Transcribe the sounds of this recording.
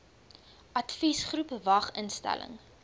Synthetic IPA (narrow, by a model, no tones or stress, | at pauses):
ʔɐtfisχrupvɐχənstæ̰lə̰ŋ